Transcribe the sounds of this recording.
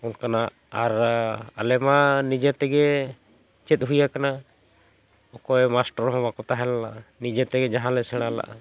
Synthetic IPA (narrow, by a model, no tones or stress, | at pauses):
unkana | aɾalɛmanid͡ʒɛt̪ɛɡɛ | t͡ʃɛt̪̚ˀɦujakana | ɔkɔɛmasʈɔɾɦɔ̃bakɔt̪aɦɛlalaʔnid͡ʒɛt̪ɛɡɛd͡ʒaɦãlɛsɛɽ̃ala̰ʔ